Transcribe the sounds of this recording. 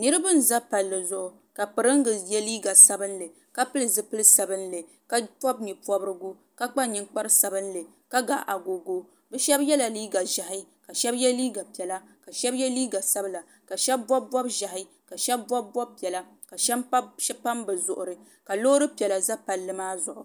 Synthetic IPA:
nɨ˦ɾɨ˦bɨ˦n̩˨za˦pa˨lːɨ˨zʊ˨ʔʊ˨ | ka˨pɨ˨ɾɨ˦ŋ˦ɡɨ˨jɛ˦liː˦ɡa˨sa˦bɨ˦n˦lɨ˨ | ka˦pɨ˦lɨ˨zɨ˨pɨ˦lɨ˦sa˨bɨ˦n̩˦lɨ˨ | ka˦pɔ˦b̚ni˨pɔ˦bɨ˦ɾɨ˦ɡʊ˦ | ka˦k͡pa˦ɲi˦ŋk͡pa˦ɾɨ˦sa˨bɨ˦n˦lɨ˨ | ka˦ɡa˨ʔa˨ɡo˨ɡo˦ | bɛ˦ʃɛ˦bjɛ˦la˨liː˦ɡa˨ʒa˨ɦɪ˦ka˨ʃɛ˦bjɛ˦liː˦ɡa˨pi˨ɛ˨la˦ | ka˨ʃɛ˦bjɛ˦liː˦ɡa˨sa˦bla˨ | ka˨ʃɛ˦b̚bɔ˦bbɔ˦bʒa˨ɦɪ˦ | ka˨ʃɛ˦b̚ːɔ˦b̚ːɔ˦b̚pi˨ɛ˨la˦ | ka˨ʃɛ˦m˦pa˦mbɨ˨zʊ˨ʔʊ˨ɾɨ˨ | ka˨lo˦ʊ˦ɾɨ˦pɛ˨la˨za˦pa˨lːɨ˦maː˦zʊ˨ʔʊ˨

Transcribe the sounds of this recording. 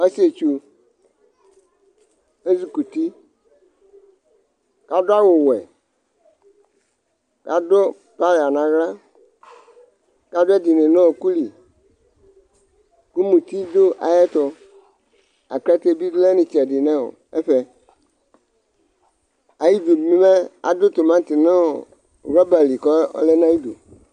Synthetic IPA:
a˦si˦e˨t͡ʃu˨ | e˦zi˨ku˨t̪i˦ | ka˦dʊ˦a˦wo˨wɛ˨ | ka˦d̪ɔ˦ | pa˦la˨nã˨ɣla˦ | ka˦dʊ˦ɛ˦d̪i˨nẽ˨nɔ̃˦o˨ku˦li˨ | ku˦mũ˨t̪i˦d̪o˦ʔa̰˨jɛ˦t̪ɔ˨ | a̰˨kɛ˦t̪e˦bi˦dlɛ˦nĩ˨t͡ʃɛ˨ɖɪ˨nɛ̃˦wo̰˨ | ɛ˦ɸɛ˨ | a˨ji˦d̪u˨mĩ˦mɛ˦a̰˨do˦t̪o˨mã˦t̪i˨nẽ˦o˨ | ɣɔ˦ba˨li˨kɔ˦ɔ̰˦lɛ˦n˦ã˦ji˦dṵ˨

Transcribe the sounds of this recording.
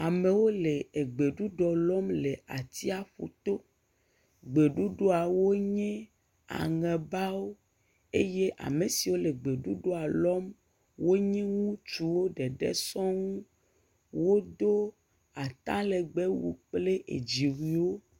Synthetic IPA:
a˨me˨wo˦le˨e˨ɡ͡be˨ɖu˦ɖɔ˨lɔ˦mle˨a˨t̪i˦a˨ɸṵ˨t̪o˦ | ɡ͡be˨ɖu˦ɖo˦a˨wo˦ɲɛ̃˦ | a̰˨ŋɛ̃˨ba˦wo˦ | e˦je˦ʔa̰˨me˨si˨wo˦le˨ɡ͡be˨ɖu˦ɖo˦a˨lɔ˦m | wo˦ɲɛ̃˦ŋũ˦t͡ʃu˦wo˦ɖɛ˨ɖɛ̰˦sɔ̃˦ŋũ˦ | wo˦d̪o˦ | a˨t̪ã˦le˨ɡ͡be˦wṵ˨k͡ple˦ʔḛ˨d͡ʑi˨wi˨wo˦

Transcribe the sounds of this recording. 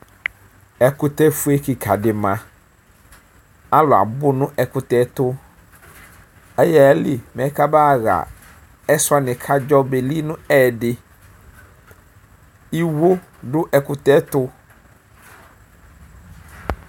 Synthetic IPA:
ɛ˨kʊ˨tɛ˦fʊ˦e˦ki˨kʰa˨dɪ˨mã˨ | a˦lʊ˨a̰˨bʊ˦nʊ̃˦ʔɛ˨kʊ˨tɛ˦tʊ˦ | ɛ˦jɛ˦˨lɪ˨mɛ̃˨˦ka˦baː˦˨ɣa̰˨ | ɛ˦sʊ˦a˦nɪ̃˨kʰa˦d͡ʒɔ˦be˨li˦nʊ̃˦ɛː˦˨dɪ˨ | i˦wo˦ | dʊ˦ʔɛ˨kʊ˨tɛ˦tʊ˦

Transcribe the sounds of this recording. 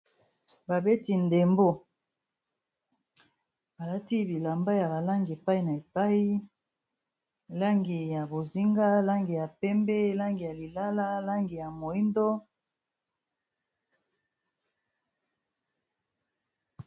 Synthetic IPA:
ba˨be˦ti˨nde˨mbo˦ | ba˨la˦ti˦bi˨la˨mba˦ja˨ba˨la˦ŋɡe˨pa˦i˨na˨e˨pa˦i˦˨ | la˦ŋɡi˨ja˨bo˨zi˦ŋɡa˦la˦ŋɡi˨ja˨pɛ˦mbɛ˦la˦ŋɡi˨ja˨li˨la˦la˦la˦ŋɡi˨ja˨mo˨i˦ndo˦

